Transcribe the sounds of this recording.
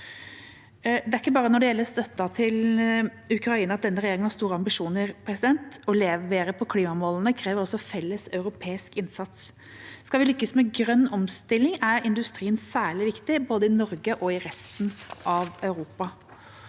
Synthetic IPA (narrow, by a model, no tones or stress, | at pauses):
d̪ɛæɾɪkːəbɑːɾənɔɖɛjɛlːəst̪œt̪ːɑt̪ʰɪl | ʉkɾɑiːnɑt̪̚d̪ɛnːəɾɛjeːɾɪŋənhɑst̪uːɾəɑmbɪʂuːnəɾpʰɾɛsɪd̪ɛnt̪ɔleːʋeːɾəpʰɔkʰliːmɑmoːlənəkʰɾɛːʋəɾɔsːɔfɛlːəsœʉɾʊpʰeːɪskɪnsɑt̪s | skɑʋɪlʏkːəsmɛɡɾœnːɔmst̪ɪlːɪŋæɾɪnd̪ʉst̪ɾiːənsæːɭɪʋɪkt̪ɪboːd̪əɪnɔɾɡəʔɔɪɾɛst̪nʔɑʋœʉɾuːpɑ